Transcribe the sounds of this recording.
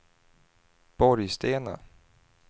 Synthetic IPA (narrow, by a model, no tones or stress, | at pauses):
b̥ɔɾist̪eːnə̰